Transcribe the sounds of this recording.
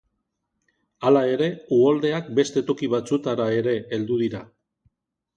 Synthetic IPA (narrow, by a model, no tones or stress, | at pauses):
alae̞ɾe̞uold̪e̞akbe̞st̪e̞t̪o̞kiβ̞at͡sut̪aɾae̞ɾe̞ːld̪uð̞iɾa